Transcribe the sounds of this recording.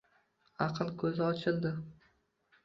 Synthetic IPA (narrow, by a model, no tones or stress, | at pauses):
ɑqʰɨlˠkʲʰɵzɪɒt͡ʃʰɪld̪ɪ